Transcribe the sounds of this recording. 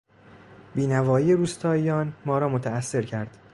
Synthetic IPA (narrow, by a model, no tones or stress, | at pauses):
biːnævɒːiːeɾuːst̪ʰɒːijɒːnmɒːɾɒːmot̪ʰææsːe̞ɾcʰæɾd̪̥